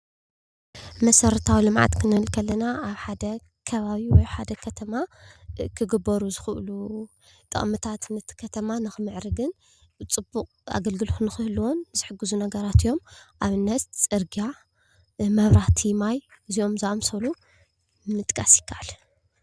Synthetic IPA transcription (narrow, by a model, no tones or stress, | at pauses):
mɐsɐɾɐt̪ʰawilɨmʕa̰t̪kʰɨnɨhɨlkʰɐlːɐnaʔaβħad̪ɐ | kʰɐβaβiwɔjħad̪ɐkʰɐt̪ʰɐma | kʰɨɡɨbːɐɾuzɨxɨʔlu | t̪ʼɐ̰χʼmɨt̪ʰat̪nɐt̪ʰi̥kʰɐt̪ʰɐmanɨxɨmɨʕɾɨɡɨn | t͡sʼɨbːukʼa̰ɡɐlɡɨlxɨnɨxɨhɨlwonzɨħɨɡɨzunɐɡɐɾat̪ijo̞mʔaβɨnːɐt̪t͡sʼɨɾɡija | mɐβɾaht̪ʰimajɨzio̞mzaʔmsɐlu | mɨt̪ʼkʼɐsjɪ̥kʰːaʔal